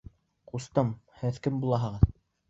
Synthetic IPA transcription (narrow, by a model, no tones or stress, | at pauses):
qust̪ɤm | hɘðkɘmbulˠɑɦɤ̆ʁɤð